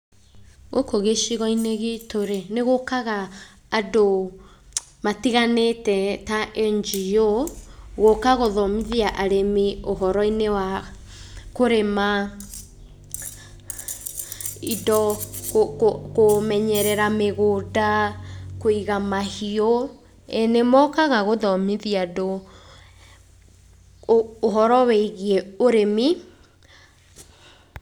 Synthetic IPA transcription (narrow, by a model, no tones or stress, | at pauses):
ɣokoɣeʃiɣɔineɣitoɾeneɣokaɣaː | do | matiɣanetɛtaʔeɲd͡ʒijo | ɣokaɣoðɔmiðiaʔaɾemioɦɔɾɔinewa | koɾema | idɔ | komɛɲɛɾɛɾameɣodakoiɣamahiɔ | enemɔkaɣaɣoðɔmiðiado | ɦɔɾɔwɛiɣiɛoɾemi